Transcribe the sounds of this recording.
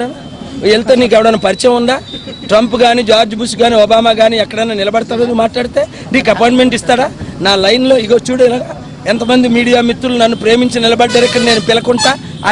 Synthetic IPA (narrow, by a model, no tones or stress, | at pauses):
n | elt̪eːniːkɛʋɐɽɐnɐpɐɾit͡ʃɐjmuɳɖaːʈɾɐmpuɡaːniːd͡ʒaːɾd͡ʒbusɡaːniːɔːbaːmaːɡaːniɛkːɐɽɐjnaːnilɐbɐɽɐt̪aːɾed̪umaːʈlaːɽit̪eː | niːk̬ɐpaːjɳʈme̞ɳʈist̪aːɽaːnaːlɐjnlo̞ːiɡoːt͡ʃuːɽɛlaːɡaː | ɛnt̪ɐmɐnd̪imiːɽijaːmit̪ːulunɐnːupɾe̞ːmiɲt͡ʃinilɐbɐɖːɐɾɛkːɐɽne̞ːnupilɐkuɳʈa̰ː